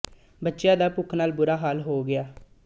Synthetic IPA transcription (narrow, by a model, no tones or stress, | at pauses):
bətːʃɪjãːd̪aːpʊkʰnaːlbʊɾaːɦaːlɦoːɡɪaː